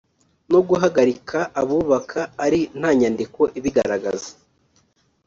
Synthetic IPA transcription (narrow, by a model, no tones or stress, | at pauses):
noɡuɦaɡaɾikʰaʔaβuːβakʰaːɾin̥haːɲandiko̞ʔiβiɡaɾaɡa̰zḁ